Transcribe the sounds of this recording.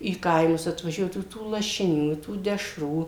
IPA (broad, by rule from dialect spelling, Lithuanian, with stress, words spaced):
iː ˈkɐɪmʊs ɐtʋɐˈʒʲuɔdɐʋʊ tuː lˠɐʃʲɪˈnʲuː ɪ tuː dʲɛˈʃruː